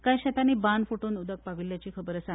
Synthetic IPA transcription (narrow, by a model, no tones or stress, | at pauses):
kajɕat̪aniːbanfuʈuːnud̪ək̚paʋiljat͡ɕiːkʰəbəɾəsa